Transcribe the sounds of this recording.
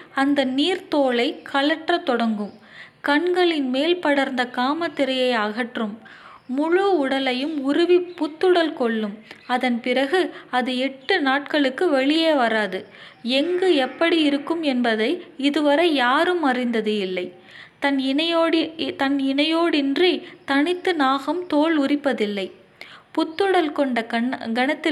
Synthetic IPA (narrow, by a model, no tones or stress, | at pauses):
ɐnd̪ɐniːɾt̪oːɭɐɪkʰɐɭɐʈrɐt̪ɔɽɐŋɡɯm | kɐɳɡɐɭɪnmeːlpɐɽɐɾnd̪ɐkaːmɐt̪ːɪɾɐjɐɪaɣɐʈrɯmː | ʊɻʊʊɽɐlɐjɯmʊɾʊʋipʊt̪ːɯɽɐlkɔɭːɯmɐðɐnpɪɾɐɣɯɐðɯɛʈːɯnaːʈkɐɭɯkːɯʋɛɭɪjeːʋɐɾaːðɯɛŋɡɯɛpːɐɽiɪɾɯkːɯmɛnbɐðɐɪɪðɯʋɐɾɐɪjaːɾɯmɐrɪnd̪ɐðɯɪlːɐɪ | t̪ɐnːɽt̪ɐnɪnɐjoːɽɪndrit̪ɐɳɪt̪ːɯnaːɣɐmt̪oːɭʊrɪpːɐðɪlːɐɪ | pʊt̪ːɯɽɐlkɔɳɖɐɡɐnɐt̪ːɪ